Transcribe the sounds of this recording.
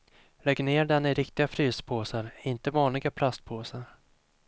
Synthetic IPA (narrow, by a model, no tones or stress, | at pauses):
lɛɡːneːɖɛnːɪɾɪkt̪ɪɡafɾyːspʰoːsaɾɪnt̪əvɑːnlɪɡapʰlast̪̚pʰoːsaɾ